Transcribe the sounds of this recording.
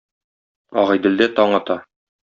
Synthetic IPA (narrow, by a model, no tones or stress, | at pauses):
ɒʁɑjd̪ɘ̆ld̪æt̪ɒɴɑt̪ɑ